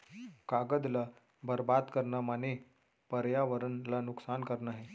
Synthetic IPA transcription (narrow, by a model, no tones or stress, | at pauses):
kaɡəd̪la | bəɾbad̪kəɾnamane | pəɾjaʋəɾənlanuksankəɾnaɦe